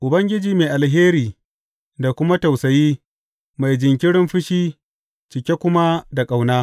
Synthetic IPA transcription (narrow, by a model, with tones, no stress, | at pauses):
ʔʊ˨bɐ˦ŋɡʲɪ˦d͡ʒiː˨meː˨ʔa˨lɦeː˦ɾiː˨ | da˨kʷʊ˦ma˦ta˨wsɐ˨jiː˦ | ma˨jd͡ʒɪ˨ŋk̬ʲɪ˦ɽɪ˦mɸɪ˦ʃiː˦ | t͡ʃɪ˨kʲe˦kʷʊ˦ma˦da˨kʼa˨wnaː˦